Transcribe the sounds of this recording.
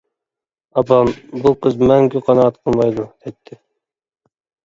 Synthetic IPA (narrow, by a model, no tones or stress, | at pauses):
ɑpʰɑbuqʰəzmæŋkʲʰyqʰɑnɑːt̪qʰəlˠmɑjd̪ud̪̥ɛt̪ʰːɪ